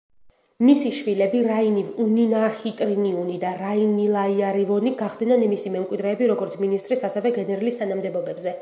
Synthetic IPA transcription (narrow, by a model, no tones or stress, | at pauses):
misiʃvilɛbiɾainivuninaχit̪ʼɾiniunid̪aɾainilˠaiaɾivɔniɡaχd̪nanimisimɛmkʼwid̪ɾɛːbiɾɔɡɔɾt̪sʰminist̪ʼɾisasɛvɛɡɛnɛɾalist̪ʰanamd̪ɛbɔbɛbzɛ